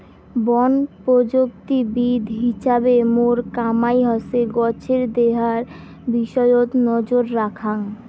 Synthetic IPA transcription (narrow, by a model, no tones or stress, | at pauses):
bɔnpɾod͡ʑok̚t̪ibid̪ʱɦiʃabemoɾkamajɦɔseɡɔt͡ɕʰeɾd̪eɦaɾ | biʃɔjot̪nɔd͡ʑoɾːakʰaŋ